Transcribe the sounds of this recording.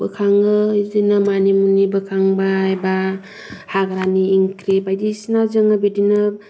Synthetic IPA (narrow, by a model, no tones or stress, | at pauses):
bɯkʰaŋɯdinamanimunibɯkʰaŋbajba | haɡɾaniːŋkɾebajdisnazɯŋabidinɯ